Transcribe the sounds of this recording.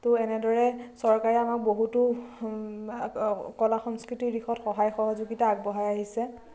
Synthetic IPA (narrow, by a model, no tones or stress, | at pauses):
tʊɛnɛdɔɹɛsɔɹkaɹɛamak̚boɦutu | kɔlaxɔŋskɹitiɹixʰɔtxɔɦajxɔɦɔzuɡitaːɡ̚bɔɦajaɦisɛ